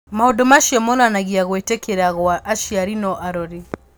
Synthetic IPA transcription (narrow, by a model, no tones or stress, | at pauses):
maɔdɔmaʃiɔmɔnanaɣiaɣwɛtɛkʰɛɾaɣɔaʔaʃiaɾinɔʔaɾɔɾi